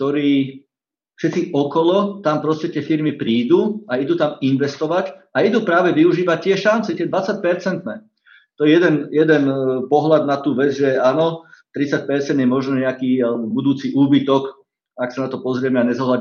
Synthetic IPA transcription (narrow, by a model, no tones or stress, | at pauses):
kt̪ɔɾiː | fʃɛt̪t͡siʔɔkɔlɔt̪ampɾɔscɛt̪ɪɛfiɾmipɾiːd̪uːaid̪uːt̪aminʋɛst̪ɔʋacaid̪uːpɾaːʋɛʋiuʒiːʋac̚t̪ːɪɛʃant͡sɛt̪ɪɛd̪ʋat͡sac̚pɛɾt͡sɛnt̪nɛː | t̪ɔjɛjɛd̪ɛnjɛd̪ɛnpɔɦlad̪̚nat̪uːʋɛd͡zʒɛaːnɔt̪ɾit͡sac̚pɛɾt͡sɛnd̪jɛmɔʒnɛɲɛakiːalɛbɔbud̪uːt͡siʔuːbit̪ɔk | aksanat̪ɔpɔzɾɪɛmɛaɲɛzɔɦla